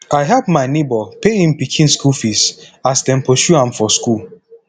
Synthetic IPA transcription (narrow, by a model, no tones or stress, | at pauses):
aɪɦɛpmaɪnebɔpeĩnpikʰĩnskulfisasdɛ̃npoʃuãmfɔskul